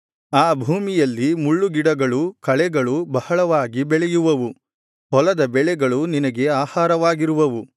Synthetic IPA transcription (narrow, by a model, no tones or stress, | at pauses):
aːbʱuːmijɐlːimuɭːuɡiɽɐɡɐɭukɐɭɛɡɐɭubɐhɐɭɐʋaːɡibɛɭɛjuʋɐʋu | ɦɔlɐd̪ɐbɛɭɛɡɐɭuninɐɡe̞aːhaːɾɐʋaːɡiɾuʋɐʋu